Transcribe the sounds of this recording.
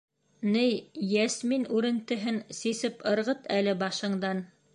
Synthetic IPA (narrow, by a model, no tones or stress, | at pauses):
nɘjjæsminʉɾɘ̆nt̪ɘ̆ɦɘnsisɘpɤ̆ɾʁɤt̪ʰælɘbɑʃɤ̆ɴd̪ɑn